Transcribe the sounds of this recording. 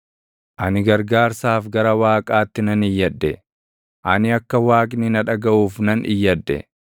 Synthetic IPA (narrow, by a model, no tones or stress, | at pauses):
ʔɐnɪɡɐɾɡaːɾsaːfɡɐɾɐwaːkʼaːt̪ːɪnɐnɪjːɐd̪ːɛ | ʔɐnɪɐkːɐwaːkʼnɪnɐᶑɐɡɐʔuːfnɐnʔɪjːɐd̪ːɛ̰